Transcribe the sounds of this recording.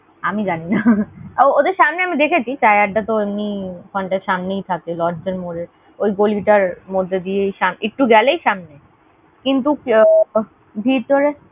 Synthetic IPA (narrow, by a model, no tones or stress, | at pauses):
amid͡ʑaninaood̪eɾʃamneamid̪ekʰet͡ɕʰit͡ɕajaʈ̚ːat̪oemnikɔɳʈeɾʃamnejt̪ʰakelɔɖd͡ʑonmoɾeɾ | ojɡoliʈaɾmod̪ʱːed̪ijejʃamek̚ʈuɡɛlejʃamne | kint̪̬uk | bʱiɾt̪oɾe